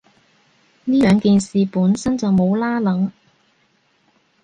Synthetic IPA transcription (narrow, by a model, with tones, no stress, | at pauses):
niː˥lœː˨ŋkiː˨nsiː˨puː˨˥nsɐ˥nt͡sɐ˨wmo˨˧wlaː˥lɐ˨˥ŋ